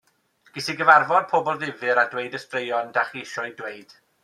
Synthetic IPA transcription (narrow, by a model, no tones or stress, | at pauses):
ɡ̥ɪsiɡəvarvɔd̚pʰoːbɔlˠðɪvɨɾadweɨdəstrejɔndaχiɪʃɔjdweɨd̥